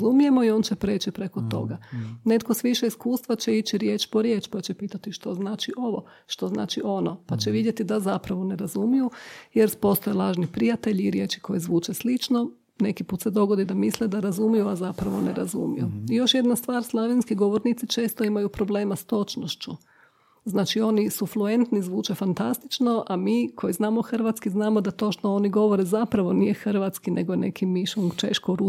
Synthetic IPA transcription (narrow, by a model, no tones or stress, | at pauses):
zumije̞mo̞io̞nt͡ɕepɾe̞ːt͡ɕipɾe̞ko̞t̪o̞̰ɡane̞t̪ko̞sʋiʃeiskuːst̪ʋat͡ɕe̞it͡ʃiɾje̞ːt͡ʃpo̞ɾje̞ːt͡ʃpat͡ɕepiːt̪at̪iʃt̪o̞znaːt͡ʃiʔo̞ʋo̞ | ʃt̪o̞zna̰ːt͡ʃiʔo̞no̞pat͡ɕeʋid̪jet̪id̪azapɾaʋo̞ne̞ɾazumijujeɾspo̞st̪ojelˠaːʒnipɾijat̪e̞ʎiːɾje̞ːt͡ʃi̥kʰo̞jezʋuːt͡ʃeslit͡ʃno̞ | ne̞kipuːt̪sed̪o̞ɡod̪id̪amisled̪aɾazumijuazapɾaʋo̞nḛɾa̰zṵmḭjuijo̞ʃje̞d̪nast̪ʋaːɾslˠaʋjinskiɡo̞ʋo̞ɾnit̪sit͡ʃe̞ːst̪o̞imajupɾo̞ble̞ːmast̪o̞t͡ʃnoʃt͡ʃu | znaːt͡ʃio̞nisufluent̪nizʋuːt͡ʃe̞fant̪ast̪it͡ʃno̞ʔamiːkʰo̞iznaːmo̞xr̩ʋat̪skiznaːmo̞d̪at̪o̞ːʃt̪ooniɡo̞ʋo̞ɾezapɾaʋo̞nije̞xr̩ʋat̪skine̞̰ɡoene̞̰kʰimiʃuŋɡt͡ʃe̞̰ʃkoɾu